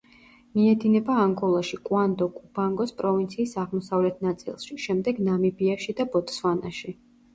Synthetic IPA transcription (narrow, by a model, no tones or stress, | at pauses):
miɛd̪inɛbaːŋɡɔlˠaʃikʼwand̪ɔkʼub̥aŋɡɔspʼɾɔvint̪sʰiːsaʁmɔsavlɛt̪ʰnat̪sʼḭlˠʃiʃɛmd̪ɛɡnamibiaʃid̪abɔt̪ʰʼswanaʃi